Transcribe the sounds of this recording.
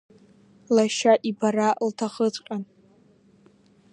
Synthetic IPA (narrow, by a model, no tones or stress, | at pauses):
laʃaʔibaɾaltʰaχət͡sʷʼqʲʼan